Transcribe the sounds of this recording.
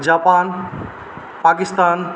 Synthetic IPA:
d͡ʒaːpaːn | paːkɪst̪aːn

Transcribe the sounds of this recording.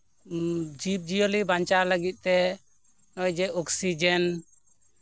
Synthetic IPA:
d͡ʒip̚d͡ʒijolibaɲt͡ʃaləɡit̪̚t̪ɛ | nɔjd͡ʒɛɔksid͡ʒɛn

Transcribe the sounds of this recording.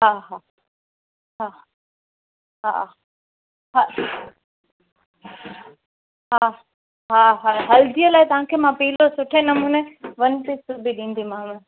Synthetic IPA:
ɦaːɦa | ɦa | ɦa̰ | ɦa | ɦa | ɦaːɦaɦɐld̪ijəlaːit̪ɐʋ̤ãkʰemãpiːlosʊʈʰẽnɐmuːneʋɐnt̪isubiɗĩːn̆d̪imãːmẽ

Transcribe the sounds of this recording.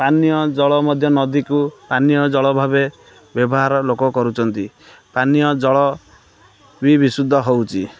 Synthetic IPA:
panijɔd͡ʒɔɭɔmɔd̪ʱjɔnɔd̪ikupanijɔd͡ʒɔɭɔbʱabe | bjɔbɔɦaɾɔlokɔkɔɾut͡ʃʰɔnt̪i | panijɔd͡ʒɔɭɔ | bibisud̪ʱːɔɦowt͡ʃʰi

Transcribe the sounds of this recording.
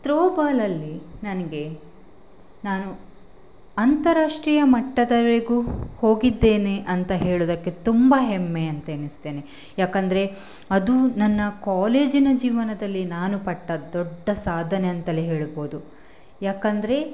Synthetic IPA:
t̪ɾoːbaːlɐlːinɐnɐɡe̞ | naːnu | ɐnt̪ɐɾaːʂʈɾijɐmɐʈːɐd̪ɐeɡuho̞ːɡid̪ːe̞ːneʔɐnt̪ɐɦe̞ːɭoːd̪ɐkːe̞t̪umbɐɦemːe̞ɐnt̪ɐenist̪e̞ːne | jaːkɐnd̪ɐɾe̞ | ɐd̪unɐnːɐkaːle̞ːd͡ʒinɐd͡ʒiːʋɐnɐd̪ɐlːinaːnupɐʈːɐd̪ɔɖːɐsaːd̪ʱɐneɐnt̪ɐleɦe̞ːɭbo̞ːd̪u | jaːkɐnd̪ɐɾe̞

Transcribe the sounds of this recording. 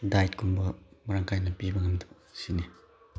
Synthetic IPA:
dajtkʰumbɐmɐɾaŋkʰajnɐpibɐŋɐmd̪ɐ̥ | sini

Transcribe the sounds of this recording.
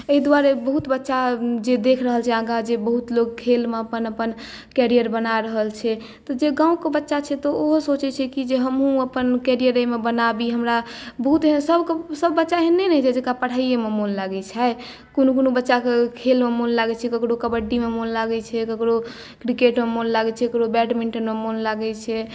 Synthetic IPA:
eid̪waɾebəɦut̪bətːʃad͡ʒed̪ekʰɾəɦəlt͡ʃʰɛãɡad͡ʒebəɦut̪loɡ̚kʰelmeəpənəpən | kɛɾijəɾbənaɾəɦəlt͡ʃʰɛ | t̪ɔd͡ʒeɡãũkebətːʃat͡ʃʰɛt̪ɔoɦosot͡ʃɛt͡ʃʰɛkid͡ʒeɦəmɦũəpənkɛɾijəɾemebənabiɦəmɾabəɦut̪ɦesəbksəbːətːʃaɦenɛnɛd͡ʒʰɛd͡ʒekapəɽ̤aijememonlaɡɛt͡ʃʰa | konokonobətːʃakekʰelmemonlaɡɛt͡ʃʰɛkəkɾokəbəɖːimemonlaɡɛt͡ʃʰɛkəkɽo | kɾikeʈmemonlaɡɛt͡ʃʰɛkəkɽobɛʈmiɳʈənmemonlaɡɛt͡ʃʰɛ

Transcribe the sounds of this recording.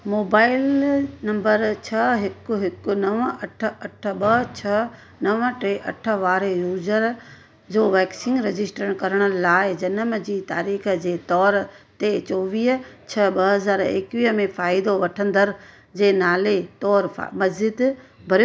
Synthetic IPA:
moːbaːɪlnɐ̃mbəɾt͡ɕʰɐɦɪkʊɦɪkʊnɐʋəɐʈʰɐʈʰəɓɐt͡ɕʰɐ | nɐʋəʈeʔɐʈʰə̆ʋaːɾejuːzəɾ | d͡ʑoːʋɛːksɪ̃ŋɡɾed͡ʑɪsʈəɽ̃kɐɾəɽ̃ə̆laːɪd͡ʑɐnəmd͡ʑiːt̪aːɾiːxd͡ʑeːt̪ɔːɾt̪et͡ɕoːʋiːɦt͡ɕʰɐɓɐɦɐzaːɾḛkʋiːɦmẽfaːɪd̪oʋɐʈʰə̃nd̪əɾ | d͡ʑeːnaːlet̪ɔːɾfa̰mɐzd͡ʑɪd̪bʱɐɾj

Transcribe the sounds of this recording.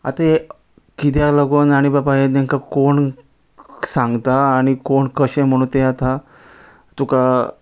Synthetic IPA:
a̰t̪ | kit̪̬jaləɡonaɽ̃ibabajenẽŋkakoɳ | sãŋɡt̪aːɽ̃ikoɳkəɕẽm̤əɽ̃ũːnt̪eat̪a | t̪uka

